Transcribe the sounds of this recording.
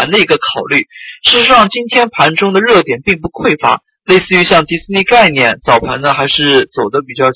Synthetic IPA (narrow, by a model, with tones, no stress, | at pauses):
nd̪ə˧i˧˥ɡə˧kʰɑ˨˩ʊly˥˩ʂɻ̩˥˧ʂɻ̩˧˥ʂɑ˥˩ŋt͡ɕi˥nt̪ʰjɛ˥npʰa˧˥nʈ͡ʂʊ˥ŋd̪ə˨ɻɤ˥˩t̪jɛ˨˩npi˥˧ŋpu˧˥kʰwe˥˩ɪfa̰˧˥ | le˥˧ɪsɹ̩˥˩y˧˥ɕjɑ˥˩ŋt̪i˧˥sɹ̩˥ni˥˧ka˥˧ɪnjɛ˥˩nt͡sɑ˨˩ʊpʰa̰˧˥nnə˧xa˧˥ɪʂɻ̩˥˩t͡so˨˩ʊd̪ə˦pi˨˩t͡ɕjɑ˥˩ʊ